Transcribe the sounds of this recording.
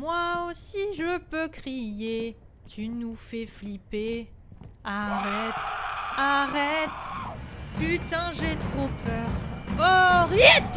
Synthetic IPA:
mwaosiʒəpøkχije | t̪ʰynufɛflipe | aʁɛt̪aʁɛt̪ | pyt̪ɛ̃ʒet̪χopœʁɔʁjɛt̪

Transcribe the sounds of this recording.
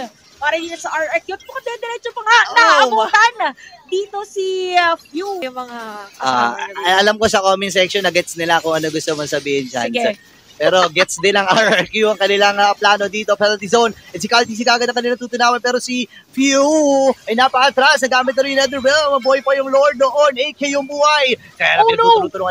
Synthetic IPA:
paːɾɐd̪iːt̪osɐʔaɹʔɐɹkjut̪bʊkɐd̪ɛɛnd̪ɛɾɛt͡ʃopɐŋanɐɐʊʊnt̪ɐʔanad̪iːt̪osifjujʊŋmɐŋaa̰ɐɐlamkosɐkomɪnsɛkʃonːɐɡɛt̪̚snɪlakʊŋʔɐnoɡʊst̪omɐsɐbiːhɪnd͡ʒɐ̰n | pɛːɾo̞ɡɛt̪̚sd̪ɪnɐŋaɐkjuɐŋkɐnɪlaŋɐplaːnod̪iːt̪o̞pɛllt̪izownʔɛt̪sɪkalt̪is̬ɪiɡaːɡɐd̪ɐŋkɐnɪlaɐŋt̪uːt̪ʊnaːwɐnpɛːɾosi | fjuʔɐjnɐpɐʔɐt̪ɾasnɐɡaːmɪt̪̚nɐɾɪ̃jɪnɛd̪ɛɹbɪlmɐbuhɐjpɐjʊŋloɹd̪̚oʔonejkejʊŋbuːhɐj | kɐjaːnɐt̪ʊnoŋɐ

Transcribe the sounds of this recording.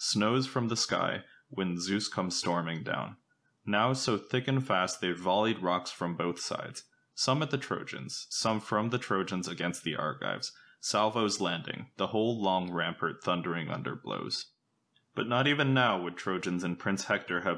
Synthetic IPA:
snoʊz̥fɹʌ̃mðəska̰ɪ | wɨ̃nzʉskʰʌ̃mz̥stɔɹmɪ̃ŋdã̰ʊ̃nː | aʊsoʊθɪkɨ̃nfæst̪̚ðeɪvɑlˠid̚ɹɑksfɹʌ̃mboʊθsa̰ɪd̥z̥ | sʌ̃mɨt̪̚ðɨtʰɹ̥o̰ʊd͡ʒɨ̰̃nz̥sʌ̃ɱfɹʌ̃mðɨtʰɹ̥oʊd͡ʒɨ̃nzɨɡɛ̃nst̪̚ðiʔɑ̰ɹka̰ɪvz̥ | sælˠvoʊzlæ̃ndɪ̰̃ŋðəhoʊlˠlɔ̃ŋɹæ̃mpə˞t̪̚θʌ̃ndə˞ɪ̃ŋʌ̰̃ndə̰˞blo̰ʊz̥ | b̥ʌtⁿnəɾivɨ̃nːaʊwəd̚tʰɹ̥oʊd͡ʒɨ̃nzɨ̃npʰɹ̥ɪ̃nshɛk̚tə˞ɨv

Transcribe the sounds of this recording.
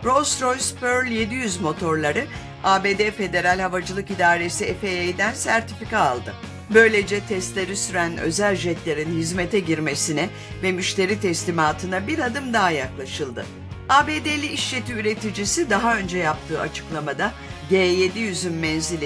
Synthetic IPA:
ɾo̞sɾo̞jspøɾlʲje̞d̪ijyzmo̞t̪ʰo̞ɾlˠaɾɯ | aːbe̞ːd̪efe̞d̪e̞ɾalʲhavad͡ʒɯlˠɯkid̪aːɾe̞siɛfeejd̪ænsæɾt̪ʰifikaːlˠd̪ɯ | bø̞jlʲe̞d͡ʒɛt̪ʰɛst̪lʲeɾisyɾænø̰zælʲʒɛt̪lʲe̞ɾinhizme̞t̪ʰɛɟiɾme̞sinɛ | vɛmyʃt̪e̞ɾit̪ʰɛslʲimaːt̪ʰɯnabiɾad̪ɯmd̪aɦajaklˠaʃɯlˠd̪ɯ | aːbe̞ːd̪elʲiiʃt͡ʃe̞t̪ʰiyɾe̞t̪ʰid͡ʒisid̪aɦaø̞nd͡ʒɛjap̚t̪ʰɯːat͡ʃʰɯ̥klˠamad̪a | ɟeːje̞d̪ijyzynmɛnzilʲ

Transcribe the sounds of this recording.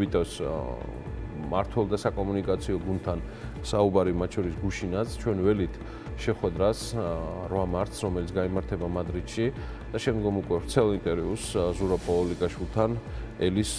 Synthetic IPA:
it̪ʼɛs | maɾt̪ʰwɛlˠd̪asakʼɔmunikʼat̪sʰiɔɡund̪̚t̪ʰan | saubaɾimat̪t͡ʃʰɔɾisɡuʃinat̪sʰt͡ʃʰwɛnvɛlit̪ʰ | ʃɛχwɛd̪ɾasɾvamaɾt̪sɾɔmɛlit̪ʰɡaimaɾt̪ʰɛbamad̪ɾit̪ʃi | d̪̥aʃɛmd̪ɡɔmukʼwɛvɾt̪sʰɛlˠint̪ʼɛɾiuszuɾapʼɔɔlikʼaʃwilˠt̪ʰan | ɛlis

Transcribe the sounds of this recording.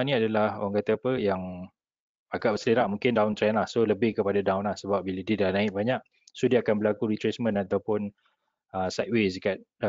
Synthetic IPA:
nĩadalaho̰ɣaŋkat̪əːpəjaŋ | aɡaʔbəsəliɾaʔmũŋkɪndaʊnt̪ɾɛnlahsoləbɪhkəpadadawnlahsəbap̚biladidanãɪʔ̚baɲaʔ | sodiakanbəlakuɾit̪ɾesmə̃nat̪awpʊn | əsajt̚wesəkat̪̚d

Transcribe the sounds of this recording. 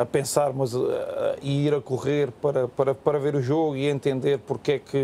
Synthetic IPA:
ɐpẽsaɾmɐzɐiiɾɐkuʁeɾpɐɾɐpɐɾɐpɐɾɐveɾuʒoɣuiẽnt̪ẽnd̪eɾpuɾkɛkɨ

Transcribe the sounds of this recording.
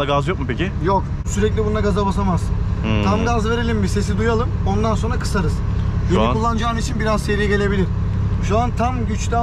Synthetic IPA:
aɡazjo̞k̚mupecɪjo̞k | syɾɛclʲibund̪aɡazabasamaz̥t̪ʰamɡazve̞ɾe̞lʲimbise̞sid̪ujalˠɯmo̞nd̪anso̞nɾakʰɯ̥saɾɯz̥benʲikʰulˠːand͡ʒaːnit͡ʃʰinbiɾazse̞ɾijɛɟelʲe̞bilʲiɾ | ʃuant̪ʰamɟyt͡ʃlʲæ

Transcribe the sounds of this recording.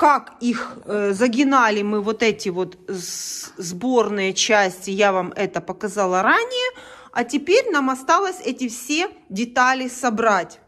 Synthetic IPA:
kakixzɐɡʲɪnalʲɪmɨvot̪ɛtʲɪvo̞t̪ | zbo̞rnɨjət͡ɕæsʲtʲɪjavamɛt̪əpəkɐzɑlˠəɾanʲɪjəɐtʲɪpʲeɾʲnamɐst̪ɑlˠəsʲɛtʲɪfsʲedʲɪt̪alʲɪsɐbɾatʲ

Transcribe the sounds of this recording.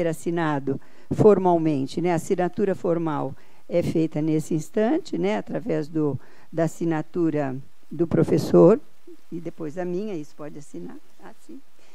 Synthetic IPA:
eɾasinad̪ʊ | foɾmawmẽnt͡ʃɪnɛasinat̪uɾɐfoɾmaw | ɛfejt̪ɐnesɪĩst̪ɐ̃t͡ʃɪnɛat̪ɾavɛzd̪ʊ | d̪ɐːsinat̪uɾɐ | d̪ʊpɾofesoɾ | ɪd̪epojzd̪ɐmĩɲɐisʊ̥pɔd͡ʒɪasinaɾ | asĩ

